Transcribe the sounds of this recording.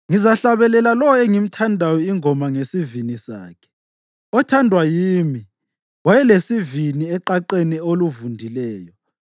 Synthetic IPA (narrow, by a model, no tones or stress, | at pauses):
ŋizaɬaβɛlɛlalɔweŋim̩tʰandʱajɔiŋɔmaŋesivinisa̰ːkʰɛ̥ | ɔtʰandʱwajiːmi | wajɛlesiviniɛǃaǃenioluvundʱilɛːjɔ